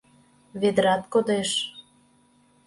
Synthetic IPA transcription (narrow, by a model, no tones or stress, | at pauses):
βed̪ɾɑt̪kod̪eʃ